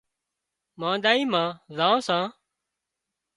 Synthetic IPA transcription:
mãːd̪aːiːmãːzãːsãː

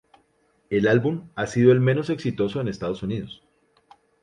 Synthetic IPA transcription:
e̞lalbumasiðo̞e̞lme̞no̞se̞ksit̪o̞so̞e̞nest̪að̞osuniðo̞s

